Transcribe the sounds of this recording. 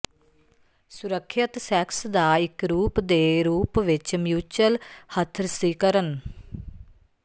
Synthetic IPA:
sʊɾəkʰːjət̪sɛːksd̪aːɪkɾuːpd̪eːɾuːpʋɪt͡ʃmjuːt͡ʃəlhət̪ʰːɾsiːkəɾən

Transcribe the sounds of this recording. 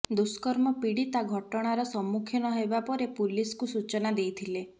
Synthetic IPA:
d̪uskɔɾmɔpiɽit̪aɡʱɔʈɔɽ̃aɾɔsɔmːukʰjɔnɔɦebapɔɾepuliskusut͡ʃɔnad̪ejt̪ʰile

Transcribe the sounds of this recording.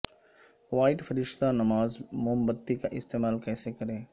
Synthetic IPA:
ʋaːɪʈfəɾɪʃt̪anɐmaːzmʊɦəmbət̪ːikaʔɪst̪eːmaːlkɛːsekɐɾẽː

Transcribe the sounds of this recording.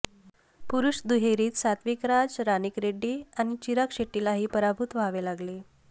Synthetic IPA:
puɾuɕd̪uɦeɾiːt̪sat̪ʋikɾad͡zɾanikɾeɖːiːañit͡ɕiɾakɕeʈːilaɦiːpəɾabʱut̪ʋaʋelaɡle

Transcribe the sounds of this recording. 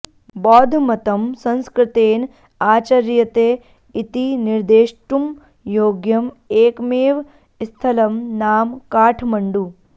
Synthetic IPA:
bɔːd̪ʱmɐt̪ɐmsɐ̃nskɾɪt̪eːn | aːt͡ʃɐɾjɐt̪eː | it̪iniɾd̪eːʃʈum | joːɡjɐm | eːkmeːʋ | st̪ʰɐlɐmnaːmkaːʈʰmɐɳɖu

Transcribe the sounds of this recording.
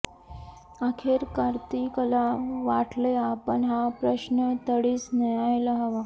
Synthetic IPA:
akʰeɾkaɾt̪ikəlaʋaʈləjapəɳɦapɾəɕnət̪əɽiːsnəjajləɦəʋa

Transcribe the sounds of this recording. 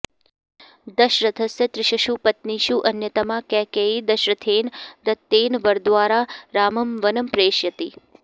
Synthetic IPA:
d̪əʃɾət̪ʰəsjət̪ɾɪʃɐʃupət̪niʃuʔɐnjət̪ɐmakɛːkeːid̪ɐʃɾɐt̪ʰeːnd̪ɐt̪ːeːnʋəɾd̪ʋaːɾaɾaːməmʋənəmpɾeːʃjɐt̪i

